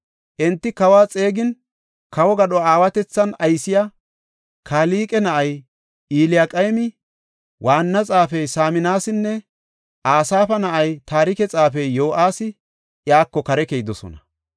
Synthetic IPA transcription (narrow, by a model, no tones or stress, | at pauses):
ʔɛnt̪ːɪkɐwaːt͡sʼe̞ːɡɪn | kɐwɔɡɐɗɔaːwɐt̪ɛt͡sːɐnɐjsɪja | kʰaːliːkʼɛnɐʔɐj | ʔiːlɪjakʼɐjmɪ | wʔaːnːɐt͡sʼaːfɛjsaːmɪnaːsɪnːɛ | ʔaːsaːfɐnɐʔɐjt̪aːɾɪkɛt͡sʼaːfɛjːo̞ːʔaːsɪ | ʔjaːkːɔkɐɾɛkejd̪ɔsɔ̰nɐ